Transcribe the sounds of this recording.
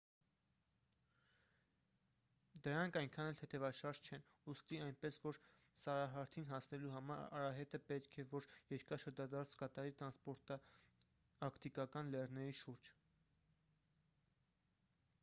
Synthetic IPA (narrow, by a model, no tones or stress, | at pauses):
d̪əɾɑŋkʰɑjŋkʰɑnɛlt̪ʰɛt̪ʰɛvɑʃɑɾʒt͡ʃʰɛn | ust̪iɑjnpɛsvɔɾsɑɾɑɦɑɾt̪ʰinɦɑsnɛluɦɑmɑɾ̰ɑ̰ɾɑɦɛt̪əpɛt̪kʰɛvɔɾjɛɾkɑʃəɾd͡ʒɑd̪ɑɾt͡sʰkɑt̪ɑɾit̪ɾɑnspɔɾt̪ɑ | ɑkʰt̪ikɑkɑnlɛrnɛɾiʃuɾd͡ʒ